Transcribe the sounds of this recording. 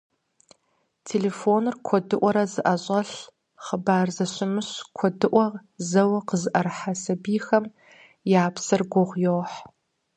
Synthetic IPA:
tʰeːleːfoːnɨrkʷʰɔdɨʔʷɔɾɐzɨʔɐɕʼɐɬ | χəbaːrzɐɕɪmɨɕkʷʰɔdɨʔʷɐʁzɐwɐqəzɨʔɐrħasɐbiːxɐm | jaːpsɨrɡʷʊʁʷjoːħ

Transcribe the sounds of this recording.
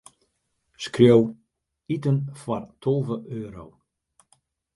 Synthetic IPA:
skrjow | itənfwartʰolˠvəʔøːɾo̰w

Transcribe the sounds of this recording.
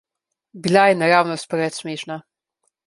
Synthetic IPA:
bilajɛnaɾaːwnɔspɾɛt̪smeːʃna

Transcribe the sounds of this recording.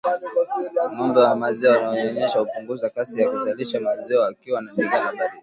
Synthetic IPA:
mɔmbɛwamazɛɔwanaɔɲɔɲɛʃahupuŋɡuzakasijakuzaliʃamazɛɔakiwanaɗiɡanabali

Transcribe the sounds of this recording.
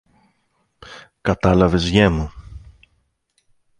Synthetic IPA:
kɐt̪ɐlɐve̞zʝemu

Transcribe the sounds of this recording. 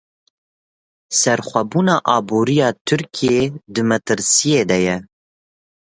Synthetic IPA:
sɛɾχʷɛbuːnɑːʔɑːbuːɾijɑːt̪ʰɨɾkʰijed̪ɨmɛt̪ɨɾsijeːd̪ɛjɛ

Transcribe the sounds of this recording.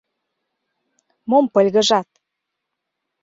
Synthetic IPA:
mompə̆lʲɣə̆ʒɑt̪̚

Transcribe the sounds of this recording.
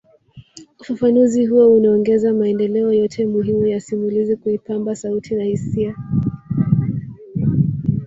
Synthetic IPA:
ufafanuzihuɔunaɔŋɡɛzamaɛndɛlɛɔjɔtʰɛmuɦimujasimulizikuipambasautʰinahisia

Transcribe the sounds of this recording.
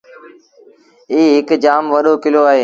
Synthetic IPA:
iːɦɪkd͡ʒaːmʋəɗoːkɪloːaːɦeː

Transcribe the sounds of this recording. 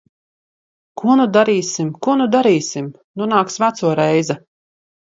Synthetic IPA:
kuɔnud̪aɾiːsimkuɔnud̪aɾiːsim | nunaːksvæt̪suɔɾɛjzɛ

